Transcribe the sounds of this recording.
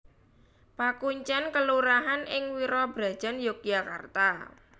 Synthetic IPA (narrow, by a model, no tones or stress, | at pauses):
pakuɲt͡ʃankəluɾaɦanʔɪŋwiɾɔbɾa̤d̥ʒ̥a̤njok̚jakart̪a